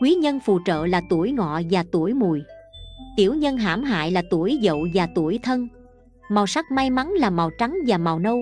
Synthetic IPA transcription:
kwi˨˦ɲə˧nfṵ˧˨t͡ɕə̰ː˧˨laː˨˩t̪u˧˩əjŋɔ̰˧˨vaː˨˩t̪u˧˩əjmu˨˩jt̪i˧˩əwɲə˧nɦaː˧˩mɦa̰ː˧˨jlaː˨˩t̪u˧˩əjzə̰˧˨wvaː˨˩t̪u˧˩əjt̪ʰə˧n | maː˨˩wsa˦˥k̚ma˧jma˨˦nlaː˨˩maː˨˩wt͡ɕa˨˦ŋvaː˨˩maː˨˩wnə˧w

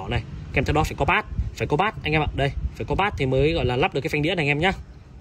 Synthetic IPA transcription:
ɔ˧˩na˨˩jʔɛ˧mt̪ɛ˧wɗɔ˦faː˧˩jkɔ˨˦ɓaː˦˥t̚faː˧˩jkɔ˨˦ɓaː˦˥t̚ʔa˧jŋʔɛ˧mɓa̰˧˨˩ɗə˧jfaː˧˩kɔ˨˦ɓaː˦˥t̚t̪ʰi˨˩məː˨˦jɣɔ̰˧˨laː˨˩la˦˥p̚ɗɨ˨˩kːŋɗi˧˥əna˨˩jʔɛ˧mɲaː˨˦

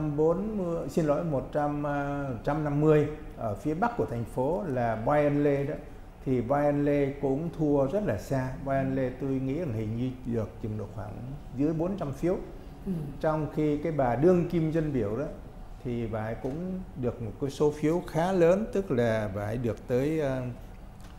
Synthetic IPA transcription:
ɓo˨˦n˧si˧nlo̰˧˥˦jmo˨˩t̚t͡ɕa˧mt͡ɕa˧mna˧mːɨ˧əj | ʔəː˧˩fi˨˦əɓa˦˥k̚ku˧˩ət̪ʰa˨˩ŋ̟fo˨˦laː˨˩ɓaː˧jʔə˧nle˧ɗɔː˨˦ | t̪ʰi˨˩ɓaː˧jʔə˧nle˧kʊ̰˧˥ŋ͡mt̪ʰu˧əzə˦˥t̚laː˨˩saː˧ɓaː˧jʔə˧nle˧t̪o˧jŋḭ˧˥ʔə˧˩ŋhï˨˩ŋ̟ɲɨ˧ɗɨ˨˩ək̚t͡ɕɨ˨˩ŋ͡mɗo̰˨˩t̚xwaː˧˩ŋzɨ˨˦əjɓo˨˦nt͡ɕa˧mfi˨˦əw | t͡ɕɔ˧wŋ͡mxi˧kaː˨˦jɓaː˨˩ɗɨ˧əŋki˧mzə˧nɓi˧˩əwɗɔ˨˦ | t̪ʰi˨˩ɓaː˧˩kʊ̰˧˥ŋ͡mɗɨ˨˩ək̚mo˨˩t̚kə˨˦so˨˦fi˨˦əwxaː˨˦ləː˨˦nt̪ɨ˦˥k̚laː˨˩va̰ː˧˩˨ɗɨ˨˩ək̚t̪əː˨˦jː

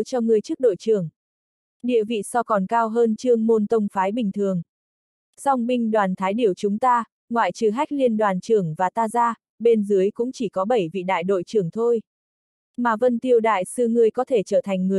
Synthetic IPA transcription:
t͡ɕɔ˧ŋɨ˨˩əjt͡ɕɨ˦˥k̚ɗo̰˧˨jt͡ɕɨ˨˩əŋ | ɗḭ˧˨əvḭ˧˨sɔ˧kɔ˨˩nkaː˧wɦəː˧nt͡ɕɨ˧əŋmo˧nt̪ə˧wŋ͡mfaː˨˦jɓï˨˩ŋ̟t̪ʰɨ˨˩əŋ | sa˧wŋ͡mɓï˧ŋ̟ɗwaː˨˩nt̪ʰaː˨˦jɗi˧˩əwt͡ɕʊ˨˦ŋ͡mt̪aː˧ | ŋwa̰ː˧˨jt͡ɕɨ˨˩ɦa˦˥jk̟̚li˧ənɗwaː˨˩nt͡ɕɨ˨˩əŋvaː˨˩t̪aː˧zaː˧ | ɓe˧nzɨ˨˦əjkʊ̰˧˥ŋ͡mt͡ɕi˧˩kɔ˨˦ɓə˧˩jvḭ˧˨ɗa̰ː˧˨jɗo̰˧˨jt͡ɕɨ˨˩əŋt̪ʰo˧j | maː˨˩və˧nt̪i˧əwɗa̰ː˧˨jsɨ˧ŋɨ˧əjkɔ˨˦t̪ʰe˧˩t͡ɕəː˧˩t̪ʰa˨˩jŋ̟ŋɨ˨˩ə

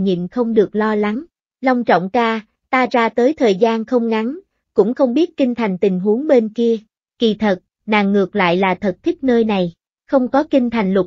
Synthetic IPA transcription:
ɲḭ˧˨nxə˧wŋ͡mɗɨ˨˩ək̚lɔ˧la˨˦ŋ | la˧wŋ͡mt͡ɕɔ̰˧˨wŋ͡mkaː˧ | t̪aː˧zaː˧t̪əː˨˦jt̪ʰəː˨˩jzaː˧nxə˧wŋ͡mŋa˨˦ŋ | kʊ̰˧˥ŋ͡mxə˧wŋ͡mɓi˦˥ət̚kï˧ŋt̪ʰa˨˩jŋ̟t̪ï˨˩ŋ̟ɦu˨˦əŋɓe˧nki˧ə | kḭ˧˩t̪ʰə˨˩t̚ | naː˨˩ŋːɨ˨˩ək̚la̰ː˧˨jlaː˨˩t̪ʰə˨˩t̚t̪ʰï˦˥k̚nəː˧jna˨˩j | xə˧wŋ͡mkɔ˨˦kï˧ŋ̟t̪ʰa˨˩jŋ̟lʊ˨˩

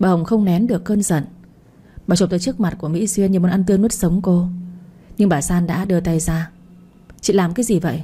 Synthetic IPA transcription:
ɓaː˧˩hə˨˩ŋ͡mxə˧wŋ͡mnɛ˨˦nɗɨ˨˩əkːəː˧nzə̰˧˨n | ɓaː˨˩t͡ɕo˨˩t̪əː˧˩t͡ɕɨ˦˥k̚ma˨˩t̚ku˧˩əmḭ˧˥swi˧ənɲɨ˨˩mo˨˩nʔa˧nt̪ɨ˧ənːu˦˥t̚sə˨˦wŋ͡mko˧ | ɲɨ˧ŋɓaː˧˩saː˧nɗa̰ː˧˥ɗɨ˧˩t̪a˧˩jzaː˧ | t͡ɕḭ˧˨laː˨˩mkaː˨˦jzi˨˩və̰˧˨j

